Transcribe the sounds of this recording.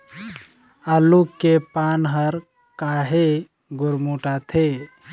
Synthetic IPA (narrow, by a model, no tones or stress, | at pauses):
alukːepaːnɦəɾ | kaɦe | ɡʊɾmuʈat̪ʰe